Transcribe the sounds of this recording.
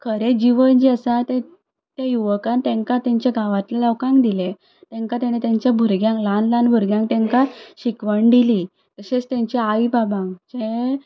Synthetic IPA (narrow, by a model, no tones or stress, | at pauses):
kʰəɾed͡ʑiʋənd͡ʑiəsat̪e | t̪jajuʋkãnt̪ẽŋkat̪jaɲt͡ɕjaɡʱaʋat̪laləwkãŋkd̪ile | t̪ɛ̃ŋkat̪añet̪aɲt͡ɕjabʱuɾɡjãŋklanlãnbʱuɾɡjãŋk̚t̪ɛ̃ŋkaɕikʋəɳɖ̪ili | t̪əɕet͡st̪ãɲt͡ɕaajibabãŋkd͡ʑe